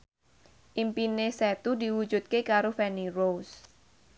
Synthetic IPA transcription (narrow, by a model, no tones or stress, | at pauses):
ʔimpinesɛt̪ud̪i̤wu̥d͡ʒṳt̪̚kekaɾofɛniros